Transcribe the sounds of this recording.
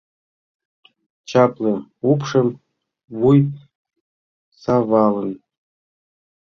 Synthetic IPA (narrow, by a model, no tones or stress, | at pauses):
t͡ɕɑplˠɤ̆upʂɤ̆m | vuj | sɑvɑlɤ̆n